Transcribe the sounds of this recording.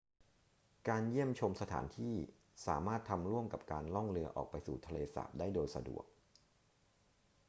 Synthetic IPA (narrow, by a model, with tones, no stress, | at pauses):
kaː˧nji˥˩əmt͡ɕʰo˧msa˧t̪ʰa̰ː˩˦nt̪ʰiː˥˩ | saː˩˦maː˥˩t̪ʰːa˧mɾu˥˩əmka̰˨˩p̚kaː˧nlɔ˥˩ŋɾɯ˧ɐʔɔ̰ː˨˩k̚pa˧jsuː˨˩t̪ʰa˧leː˧sa̰ː˨˩˦p̚daː˥˩jdoː˧jsa̰˧dṵ˨˩ək̚